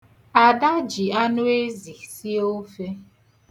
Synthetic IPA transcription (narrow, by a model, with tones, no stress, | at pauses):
a˨da˦d͡ʒi˨a˦nʊ˦e˦zi˨si˦o˦fe˦